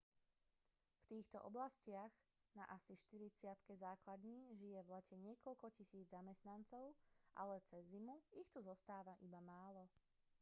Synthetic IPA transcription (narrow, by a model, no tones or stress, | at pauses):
ft̪iːxt̪ɔ̰ʔɔblascɪaɣ | na̰ʔasiʃt̪iɾit͡sɪat̪kɛzaːklad̪ɲiːʒijɛvlɛcɛɲɪɛkɔʎkɔcisiːd͡zzamɛst̪nant͡sɔʊʔa̰lɛt͡sɛzːimuixt̪uzɔst̪aːʋaʔibamaːlɔ